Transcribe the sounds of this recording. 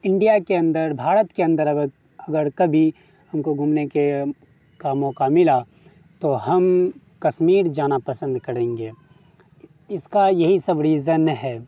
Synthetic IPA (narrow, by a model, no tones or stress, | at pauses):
ɪ̃ɳɖijakeɐ̃nd̪əɾbʱaːɾət̪keɐ̃nd̪əɾ | ɐɡəɾkɐbʱi | hɐmkoɡʱumneke | kaːmɔ̃ːkamɪla | t̪oɦɐm | kɐʃmiːɾd͡ʒaːnapɐsə̃nd̪kɐɾẽːŋɡeː | ɪskajɐɦisɐbɾiːzənɦɛː